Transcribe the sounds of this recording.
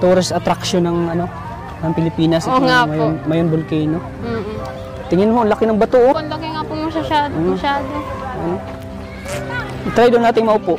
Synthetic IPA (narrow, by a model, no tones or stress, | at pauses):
t̪oːɾɐsɐt̪ɾɐkʃonɐŋɐno̞ | nɐŋpɪlɪpiːnɐsoŋamɐjonmɐjonbʊlkɛjno | t̪ɪŋɪnhonlɐkɪnɐŋbɐt̪oʔnlɐkɪŋapʊŋmɐʃɐʃaːdomɐʃaːd̪oʔono | t̪ɾajd̪onaːt̪ɪŋmɐʔʊpoʔ